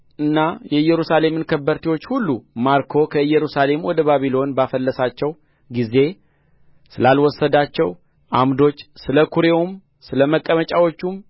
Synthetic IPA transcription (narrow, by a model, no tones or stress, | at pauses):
ʔɨnːajɛɨjɛɾusale̞mɨnkʰəbːəɾt̪iwo̞t͡ʃːhulːumaɾkʰo̞kʰəɨjːɛɾusale̞mwɔd̪əβaβilo̞nbafəlːəsat͡ʃːɛw | ɡize̞ | sɨlalwɔsːəd̪at͡ʃːɛw | ʔamd̪o̞t͡ʃːsɨləkʰuɾewum | sɨləməkʼːəmət͡ʃʼawo̞t͡ʃːum